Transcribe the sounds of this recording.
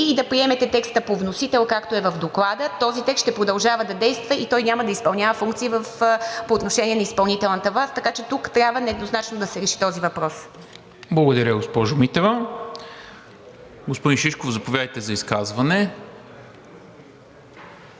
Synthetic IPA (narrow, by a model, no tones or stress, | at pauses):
d̪ɐpɾiɛmɛt̪ɛt̪ɛkst̪əpovnosit̪ɛlˠkakt̪oɛvəvd̪oklˠad̪ət̪ɔzit̪ɛkst̪ʃt̪ɛpɾod̪ɐlˠʒavəd̪ɐd̪ɛjst̪vəʔit̪ɔjnʲaməd̪ɐispɐlˠnʲjavəfuŋkt̪siːvəfpoːt̪noʃɛnʲiɛnɐispɐlˠnit̪ɛlˠnət̪əvast̪ɐkat͡ʃɛt̪ukt̪ɾʲabvənɛd̪noznat͡ʃnod̪ɐsɛɾɛʃi̥t̪ɔzivɐpɾɔs | blˠɐɡod̪ɐɾʲəɡospɔʒʊmit̪ɛvɐ | ɡospod̪inʃiʃkofzɐpovʲjad̪əjt̪ɛzɐiskazvɐnɛ